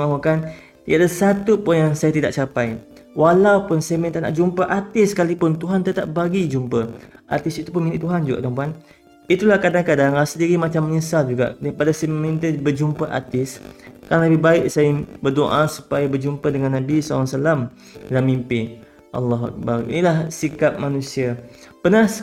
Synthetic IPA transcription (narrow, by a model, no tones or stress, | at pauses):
maɦukan | t̪idaʔdasat̪upʊnjaŋsajat̪idaʔ̚t͡ʃapaj | walawpʊnsamint̪aʔna̰ʔd͡ʒumpəʔat̪ɪskalipʊnt̪uɦant̪ət̪a̰ʔ̚baɡid͡ʒumpəʔa̰t̪ɪsit̪up̬ʊnminɪʔt̪uɦand͡ʒuɡa̰ʔdaŋp̬uan | it̪ulahkadaŋkadaŋlasədiɾimat͡ʃamːəɲisald͡ʒuɡa̰ʔdaɾipadasamĩnt̪əbəd͡ʒumpaʔa̰t̪ɪskaɾaŋləbɪhbaɪʔsaɪŋbərdoʔasu̥pajabərd͡ʒumpədəŋanːãbisɔl̰ːsalam | lamːimpɪ | ʔa̰lːɑɦua̰k̚baɾḭnilahsikap̚manũsia | pənah